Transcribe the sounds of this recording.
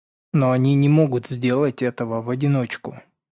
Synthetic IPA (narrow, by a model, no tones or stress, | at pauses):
noɐnʲinʲɪmo̞ɡʊt̪zʲdʲe̞lˠətʲɛt̪əvəvɐdʲɪno̞t͡ɕkʊ